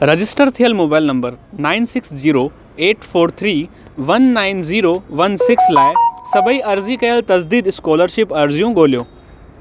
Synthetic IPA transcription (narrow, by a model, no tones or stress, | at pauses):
ɾɐd͡ʑɪsʈəɾt̪ʰijəlmoːbaːɪlnɐ̃mbəɾnaːɪnsɪksziːɾo | eːʈfoːɾt̪ʰɾiː | ʋɐnːaːɪnziːɾoʋɐnsɪkslaːɪsɐbʱiɐɾzikɐjəlt̪ɐzd̪iːd̪ɪskoːləɾʃɪpɐɾzijũɠoːlijoː